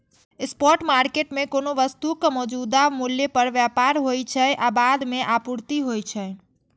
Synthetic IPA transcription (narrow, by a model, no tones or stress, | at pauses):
espɔɾʈmaɾkeʈmekonoʋəst̪ukmɔd͡ʒud̪amuljepəɾʋjapaɾɦojt͡ʃʰəjʔabad̪meʔapuɾt̪iɦojt͡ʃʰəj